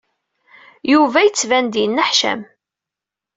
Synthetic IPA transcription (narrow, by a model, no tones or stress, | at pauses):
juvæjət͡sːvænd̪ijnːəħʃæ̰m